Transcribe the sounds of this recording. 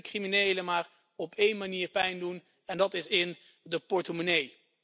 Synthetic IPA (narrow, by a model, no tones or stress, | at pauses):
kriminejləmaːɹ | ɔpʰejnmaniːɹpɛjndun | ɛndɑtɪsɪn | dəpɔɹtəmonej